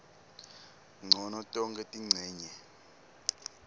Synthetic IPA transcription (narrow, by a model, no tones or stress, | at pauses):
ŋ͡ǀʱɔnɔtʼɔŋkʼɛtʼiŋ͡ǀʱɛːɲɛ